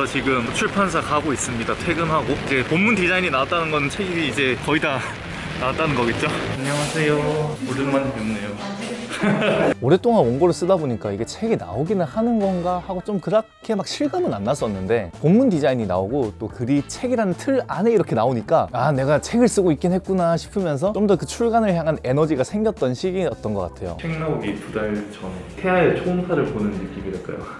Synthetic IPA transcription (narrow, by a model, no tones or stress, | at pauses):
ʌt͡ɕiɡɯmt͡ɕʰuɭpʰjans̬ʰakaɡois͈ɯmɲidatʰwe̞ɡɯmɦaɡoid͡ʑe̞pomːundid͡ʑaiɲinaat͈̚anɯnɡʌnɯnt͡ɕʰe̞ɡiiːd͡ʑe̞kʌida | nat͈anɯnɡʌɡet̚t͡ɕ͈oaɲaŋasʰe̞jooɾɯnmanamimnːejo | oɾe̞t͈oŋanwʌnɡʌɾɯɭs͈ɯdaboɲik͈aiɡe̞t͡ɕʰe̞ɡina̰oɡinɯnhanɯnɡʌnɡahaɡot͡ɕ͈omkɯɾakʰe̞mak̚ɕʰiɭɡɯmɯnanːas͈ʌnːɯnde̞pomːundid͡ʑaiɲina̰oɡot͈okɯɾit͡ɕʰe̞ɡiɾanntʰɯɾane̞iɾʌkʰe̞naoɲik͈aane̞ɡat͡ɕʰe̞ɡɯɭs͈ɯɡoik͈inɦet̚k͈unaɕʰi̥pʰɯmjʌns̬ʰʌt͡ɕomdʌkɯt͡ɕʰuɭɡanɯɭçjaŋɦane̞nʌd͡ʑiɡasʰe̞ŋɡjʌt̚t͈ʌnɕʰiɡiʌt͈ʌnɡʌk͈atʰe̞jo̰t͡ɕʰiŋnaoɡitudaɭt͡ɕʰʌntʰe̞aet͡ɕʰonsʰaɾɯɭponɯnːɯk͈iɡideɭk͈a̰jo̰